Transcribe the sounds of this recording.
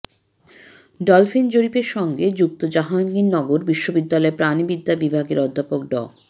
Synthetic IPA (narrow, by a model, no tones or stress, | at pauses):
ɖɔlfind͡ʑoɾipeɾʃɔŋɡed͡ʑuk̚t̪od͡ʑaɦanɡinːɔɡoɾbiʃːobid̪ːalɔepɾanibid̪ːabibʱaɡḛɾɔd̪ʱːapok̚ɖɔ̰